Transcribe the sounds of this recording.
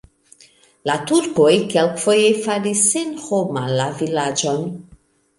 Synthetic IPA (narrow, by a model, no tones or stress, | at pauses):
latuɾkojkelkfo̞jefaɾisːenhomalavilad͡ʒo̞n